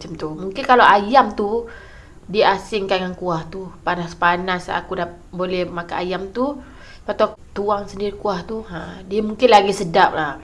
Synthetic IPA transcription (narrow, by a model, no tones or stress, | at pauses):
at͡ʃamt̪umuŋkɪnkalaʔajamt̪u | diəasɪŋkaŋaŋkuaht̪upanaspanasa̰kuda | bolɛhmakanajamt̪u | pat̪at̪uaŋsəndiɾikuaht̪uadiamuŋkɪnlaɡisədap̚lah